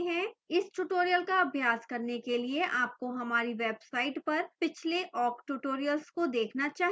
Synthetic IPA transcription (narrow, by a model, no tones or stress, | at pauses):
ɦɛ̃ɪsʈuʈoːɾijəlkaɐbʱjaːskɐɾnekelieʔaːp̚koɦɐmaːɾiʋeːbsaːɪʈpɐɾpɪt͡ʃʰleʔʔɔːkʈuʈoːɾijəlskod̪eːkʰnat͡ʃaːɦ